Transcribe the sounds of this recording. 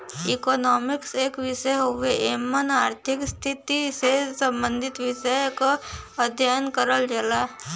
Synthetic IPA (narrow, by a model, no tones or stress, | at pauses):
ikɔːnɔːmɪkseːkʋɪʃəjɦoʋeʔeːmːənaːɾt̪ʰɪkst̪ʰɪt̪isesə̃mbə̃nd̪ʱɪt̪ʋɪʃəjkoəd̪ʱjajənkəɾəld͡ʒəlaː